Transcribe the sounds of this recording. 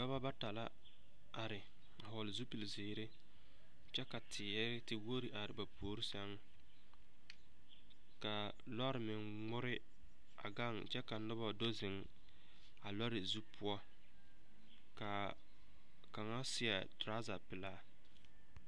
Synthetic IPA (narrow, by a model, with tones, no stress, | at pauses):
ba˦βa˦ba˦ta˨la˦ | a˨ɾɪ˨ | a˨ɦɔ˨lɪ˨zu˦pi˨lzɪː˨˦ɾɪ˦ | t͡ʃɛ˦ka˨tʰɪː˨ɛ˦ɾɪ˦tɪ˦wo˦ɾi˨ʔa˨ɾɪ˨ba˨pʰoː˨ɾi˦sɛ˦ŋ˦ | ka˨ | lɔ˦ɾɪ˨mɪ˨ŋ | ŋ͡mʊ˦ɾɪ˦ | a̰˨ɡa˦ŋt͡ʃɛ˦ka˨nʊ˦bɔ˦do˦zɪ˨ŋ | a˨lɔ˦ɾɪ˨zu˦pʰʊ˦ɔ˦ | ka˨ | ka˨ŋa˦sɪ˦a̰˨tɾa˦za˨pɪ˨laː˦˨